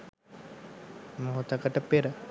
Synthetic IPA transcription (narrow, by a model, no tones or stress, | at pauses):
moɦut̪əkəʈəpeɾə